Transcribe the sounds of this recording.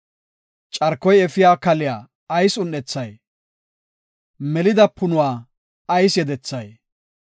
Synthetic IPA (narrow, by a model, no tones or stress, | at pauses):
t͡ʃʼɐɾkːɔjɛfɪjaːkɐlɪjaː | jsʊnːɛt͡sːɐj | mɛlɪd̪ɐpːʊnʊwaː | ɐjsjɛd̪ɛt͡sːɐj